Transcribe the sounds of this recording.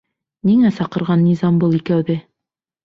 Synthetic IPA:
niŋæsɑqɤ̆ɾʁɑnːizɑmbɤlˠikæwðɘ

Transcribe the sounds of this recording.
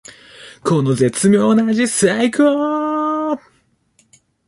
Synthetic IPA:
kʰonozet͡sɨmʲjoːnaʑisɨaikɯo

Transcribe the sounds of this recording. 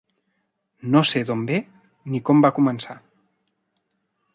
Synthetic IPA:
noseðombe | nikɔmbakumənsa

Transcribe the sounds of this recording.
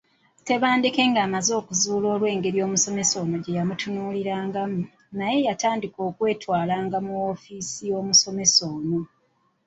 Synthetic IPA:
te̞βaːndike̞ːŋɡaːmazo̞ːkuzuːlo̞ːlwe̞ːŋɡe̞ɾjo̞ːmuso̞me̞so̞ːno̞ɟe̞jamutunuːliɾaːŋɡamu | naje̞jataːndiko̞ːkwe̞ːtwaːlaːŋɡamuofiːsijo̞ːmuso̞me̞so̞ːno̞

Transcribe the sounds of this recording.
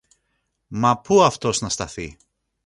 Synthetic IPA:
mɐpuɐft̪o̞znɐst̪ɐθi

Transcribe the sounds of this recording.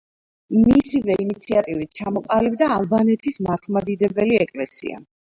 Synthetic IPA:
misivɛinit̪sʰiat̪ʼivit̪̚t͡ʃʰamɔqʼalibd̪aːlˠbanɛt̪ʰismaɾχʰmad̪id̪ɛbɛliɛkʼlɛsḭa̰

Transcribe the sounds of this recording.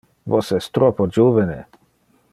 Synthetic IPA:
vosɛst̪ɾɔpod͡ʒuvɛnḛ

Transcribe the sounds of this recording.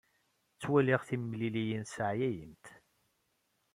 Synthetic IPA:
t͡sːwæliʁθimːlilijənsəʕjæjənt̪

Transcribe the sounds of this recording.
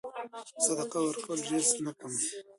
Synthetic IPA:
sad̪aqawəɾkawəlɖeɾsnakəm

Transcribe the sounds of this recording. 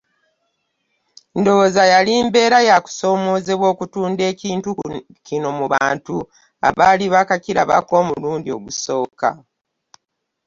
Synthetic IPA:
ndo̞βozajaliːmbe̞ːɾajaku̥so̞ːmo̞ːze̞βwo̞ːkutuːnde̞ːciːntu | cino̞muβaːntu | a̰βaliβakaciɾa̰βa̰ko̞ːmuluːndio̞̰ɡuso̞ːka̰

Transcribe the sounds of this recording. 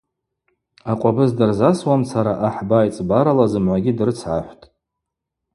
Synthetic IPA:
aqʷʼabɨzdɨrzaswamsʰaɾaʔaħbajt͡sʼbaɾalazɨmʕʷaɡʲidrɨt͡sʰʕa̰ħʷtʼ

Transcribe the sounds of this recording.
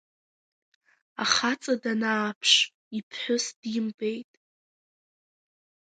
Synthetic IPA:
aχat͡sʼadanaːpʰʂ | ipʰħʷʊsd̥imbejtʼ

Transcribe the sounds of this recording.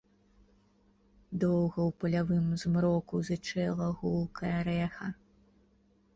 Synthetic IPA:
d̪ɔwɣɐwpɐlʲavɨmzmɾɔkuzɨt͡ʂɛlˠɐɣulˠkʰɐjɐɾɛxɐ

